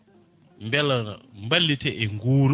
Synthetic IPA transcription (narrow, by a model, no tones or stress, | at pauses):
mbɛlambalitʰɛʔeŋɡuːɾ